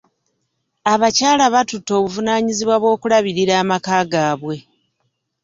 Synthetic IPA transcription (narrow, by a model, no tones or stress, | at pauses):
aβacaːlaβatutːo̞ːβuvunaːɲiziβwaβwo̞ːkulaβiɾiɾaːmakaːɡaːβwe̞